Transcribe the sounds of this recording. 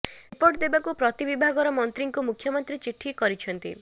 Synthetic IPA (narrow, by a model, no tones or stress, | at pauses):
poɾʈd̪ebakupɾɔt̪ibibʱaɡɔɾɔmɔnt̪ɾiŋkumukʰjɔmɔnt̪ɾit͡ʃiʈʰːikɔɾit͡ʃʰɔnt̪ḭ